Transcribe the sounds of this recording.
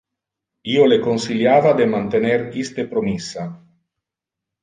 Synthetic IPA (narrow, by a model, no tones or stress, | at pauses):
iolekonsiljaːvad̪emant̪eneɾist̪epɾomisːa